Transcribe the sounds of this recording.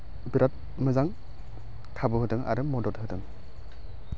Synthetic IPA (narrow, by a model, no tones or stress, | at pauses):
biɾat̚ | mɯzaŋ | tʰabɯɦɯdɯŋa̰ɾɯmɔdɔt̚ɦɯdɯŋ